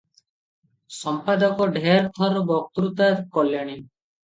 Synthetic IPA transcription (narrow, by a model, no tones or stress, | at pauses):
sɔmpad̪ɔkɔɖʱeɾt̪ʰɔɾbɔk̚t̪ɾut̪aɾkɔljaɽ̃i